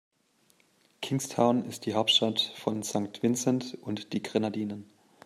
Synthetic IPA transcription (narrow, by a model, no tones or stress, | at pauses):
kʰɪŋstʰaʊnɪst̚d̥iːɦaʊptʃtatfɔnz̥aŋk̚tv̥ɪnt͡sɛntʊntd̥iːɡʁenadiːnən